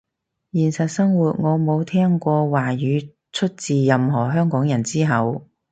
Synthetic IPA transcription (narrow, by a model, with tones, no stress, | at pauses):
jiː˨˩nsɐ˨t̚sɐ˥ŋwuː˨t̚ŋɔː˨˧mo˨˧wt̪ʰɛː˥ŋkʷɔː˧waː˨˩jyː˨˧ | t͡sʰɵ˥t̚t͡siː˨jɐ˨mɦɔː˨˩ɦœː˥ŋkɔː˨˥ŋjɐ˨˩nt͡siː˥ɦɐ˨˧w